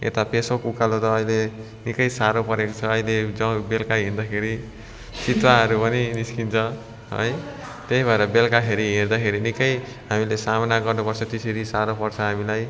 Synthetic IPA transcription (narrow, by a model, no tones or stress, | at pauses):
ḛt̪apesokukalot̪ʌːjle | nikʌjsaɾopʌɾekot͡sʰʌːiled͡zʌ̃belkaɦind̪akʰeɾi | t͡sit̪ɾaɦʌɾupʌniniskint͡sʰʌ | ɦʌ̰j | t̪eɦibʱʌeɾʌbelkaɦʰeɾiɦeɾd̪akʰeɾinikʌj | ɦamilesamʌnaɡʌrnupʌrt͡sʰʌt̪eseɾisaɾopʌrt͡sʰʌɦamilaj